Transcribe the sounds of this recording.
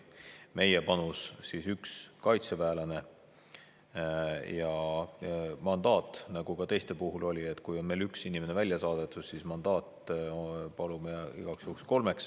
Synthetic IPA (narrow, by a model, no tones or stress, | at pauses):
me̞jepɑnussisykskɑjt̪sevæːlɑne̞ | jɑ | mɑnd̪̥ɑːt̪ːˑnɑɡ̥uɡ̥ɑt̪e̞jst̪e̞puɦulo̞lʲiet̪ːˑkujo̞nme̞ːlyksinimenevælʲjɑsɑːd̪̥et̪ːˑussismɑnd̪̥ɑːt̪ | pɑlumeḭɡ̥ɑksjuksko̞lme̞ks